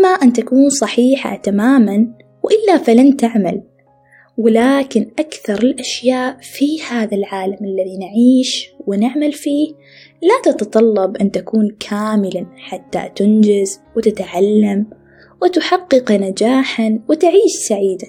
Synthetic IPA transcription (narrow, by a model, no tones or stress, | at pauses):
ʔɪmːaʔɪnt̪akuːnsˤɑħiːħa̰t̪amaːman | wʔɪlːafalant̪aʕma̰l | wɪlaːkɪnʔakθɑɾˤɪlʔaʃjaːʔfihaːðalʕaːlamʔalːaðinʕiːʃwɪnɪʕmalfiːh | lat̪ɑt̪ɑt̪ˤɑlːɑbʔɪnt̪akuːnkʰaːmɪlaħat̪ːa̰t̪ɪnd͡ʒɪzwɪt̪ɪt̪ʕalːam | wɪt̪ʊħɑqːɨqnad͡ʒaːħanwɪt̪ʕiːʃsaʕiːd̪a